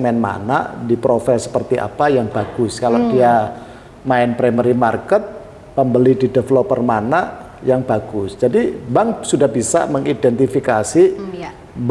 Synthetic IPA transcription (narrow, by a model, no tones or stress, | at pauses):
mɛnma̰na̰ʔdipɾofɛsə̥pərt̪iʔa̰pajaŋb̥aɡ̥ʊskaladia | maɪnpɾɛmɛɾimarkət̪̚ | pəmbəlididefəlɔpərmanaʔ | jaŋb̥aɡʊsd͡ʒadibaŋsudahbisa̰məŋidɛnt̪ifikasi | b